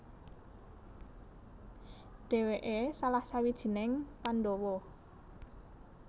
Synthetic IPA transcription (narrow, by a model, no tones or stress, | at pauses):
ɖ̥e̤weʔesalahsawid̥ʒ̥i̤nɪŋpanɖɔwɔ